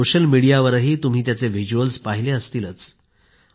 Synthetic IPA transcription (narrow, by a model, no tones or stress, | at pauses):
oɕəlmiɽijaʋəɾɦiːt̪um̤iːt̪jat͡seʋid͡ʑuəlspaɦileəst̪iːlət͡s